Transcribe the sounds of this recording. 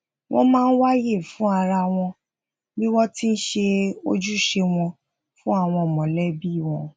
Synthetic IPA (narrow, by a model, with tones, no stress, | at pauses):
w̃ʔɔ̰̃˦mãː˦˧n̩˦wa˦je˦˨fũ˦a˧ɾa˧w̃ɔ̃˧ | bi˦wɔ˦ti˦n̩˦ʃe˧o̰˦d͡ʒu˦˨ʃe˧w̃ɔ̃˧ | fũ˦a˦˨w̃ɔ̃˧˨mɔ̃˨lɛ˦bi˦˨w̃ɔ̃˧